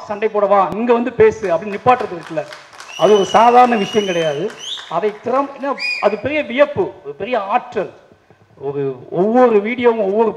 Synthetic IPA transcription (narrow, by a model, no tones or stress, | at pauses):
sɐɳɖɐɪpːoːɽɐʋãːniŋɡɐʋɐnd̪ɯpeːsɯɐpːɐɽɪnɪpːaːʈːɪɾɐt̪ːɯɾɯʈːɯlɐ | ɐðɯɔɾɯsaːðaːɾɐɳɐʋɪʂɐjɐ̃mkɪɽɐjaːðɯɐðɐɪt̪ːɪɾɐmenːaːɐðɯpɛɾɪjɐʋɪjɐpːɯɔɾɯpɛɾɪjɐaːʈrɐl | ɔɾɯɔʋːɔɾɯʋiːɽɪjõːɔʋːɔɾɯ